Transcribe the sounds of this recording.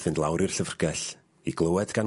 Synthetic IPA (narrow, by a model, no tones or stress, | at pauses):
θɨndlˠawɾir̥ɬəvrɡɛɬ | iɡlˠəwɛdɡan